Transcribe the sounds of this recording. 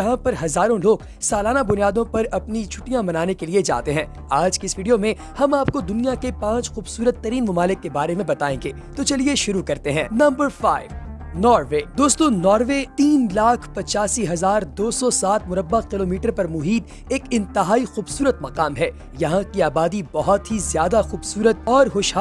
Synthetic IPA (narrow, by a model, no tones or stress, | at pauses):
jɐɦãpɐɾɦɐzaːɾõloːɡ | saːlaːnabʊnijaːd̪õpɐɾɐpnit͡ʃʰʊʈijãmɐnaːnekelied͡ʒa̰ːt̪eɦɛ̃ː | aːd͡ʒkeɪsʋiːɖijomẽ | hɐmaːpkod̪ʊnijakepãːt͡ʃxuːbsuːɾət̪ːɐɾiːnmʊmaːlɪkːebaːɾemẽbɐt̪aːẽːŋɡeːt̪ot͡ʃɐlieʃʊɾukɐɾt̪eɦɛ̃ːnɐ̃mbəɾfaːɪʋ | nɔːɾʋeːd̪oːst̪õnɔːɾʋet̪iːnlaːkʰpɐt͡ʃaːsiɦɐzaːɾd̪oːsɔsaːt̪̚ʰmʊɾəbːəqkɪloːmiːʈəɾpɐɾmʊɦiːd̪ | eːkɪ̃nt̪ɪɦaːixuːbsuːɾət̪̚mɐqaːmɦɛː | jɐɦãkiaːbaːd̪ibɐɦɔt̪ɦizjaːd̪axuːbsuːɾət̪̚ɔːɾɦʊʃɦa